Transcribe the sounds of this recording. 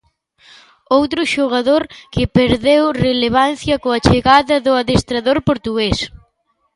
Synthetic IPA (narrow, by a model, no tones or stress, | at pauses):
owt̪ɾʊʃoɣ̞aðoɾkɪpeɾðewreleβ̞anθjɐkoɐt͡ʃeɣaðɐðʊaðest̪ɾaðoɾpoɾt̪uɣes